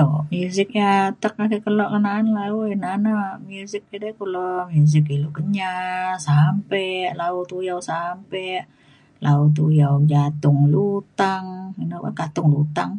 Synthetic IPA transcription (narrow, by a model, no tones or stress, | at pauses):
omuzɪk̚jat̪ək̚akikəlɔʔkənanlauinanamuzɪk̚ːidɛkulɔmuzɪk̬ilukəɲasampɛʔlaut̪ujawsampɛʔ | laut̪̬ujawd͡ʒat̪ʊŋlut̪aŋinaba̰kat̪ʊŋlut̪aŋ